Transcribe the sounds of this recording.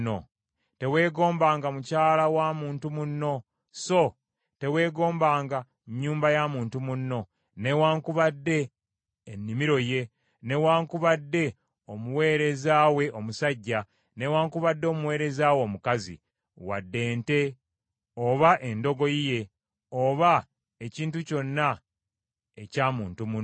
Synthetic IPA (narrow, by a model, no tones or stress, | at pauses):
o | te̞we̞ːɡo̞ːmbaːŋɡamucaːlawaːmuːntumunːo̞ | so̞ | te̞we̞ːɡo̞ːmbaːŋɡa | ɲːuːmbajamuːntumunːo̞ | ne̞waːŋkuβadːe̞ː | nːimiɾo̞je̞ | ne̞waːŋkuβadːe̞ | o̞muwe̞ːɾe̞zaːwe̞ʔo̞musaɟːa | ne̞waːŋkuβadːoːmuwe̞ːɾe̞zaːwo̞mukazḭ | wa̰dːe̞ːnte̞ | oβaʔe̞ndo̞ɡo̞ije̞ | oβa | eciːntuco̞nːa | ecaːmuːntumun